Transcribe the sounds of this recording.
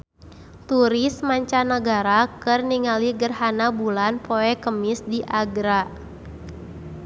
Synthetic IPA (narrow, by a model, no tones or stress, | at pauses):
t̪uɾismaɲt͡ʃanəɡaɾakɨrniŋaliɡərhanabulanpoɛkəmɪsdiʔaɡɾa